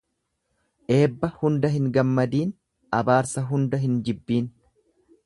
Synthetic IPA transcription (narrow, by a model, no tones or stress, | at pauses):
ʔe̞ːbːɐhʊnd̪ɐɦɪŋɡɐmːɐd̪iːn | ʔɐbaːɾsɐɦʊnd̪ɐɦɪnd͡ʒɪbːiːn